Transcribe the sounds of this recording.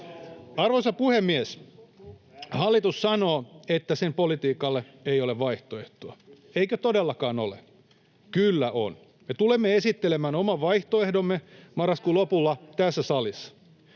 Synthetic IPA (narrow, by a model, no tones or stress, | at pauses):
ɑrʋosɑpuhemːies | hɑlːit̪ussɑnoːet̪ːæsempolit̪iːkɑlːe | eioleʋʋɑiht̪oeht̪oɑ | eikøt̪odelːɑkɑːno̰lḛ | kylːæʔo̰n | met̪ulemːeesit̪ːelemæːnomɑʋʋɑiht̪oehdomːemɑrːɑskuːlopulːɑt̪æsːæsɑlisːɑ̥